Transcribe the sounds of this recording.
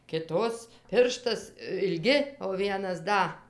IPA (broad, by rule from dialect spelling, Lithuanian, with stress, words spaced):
kʲɪˈtoːs ˈpʲɪrʃtɐs ɪlʲˈɡʲɪ oː ˈʋʲiɛnɐs ˈdɐ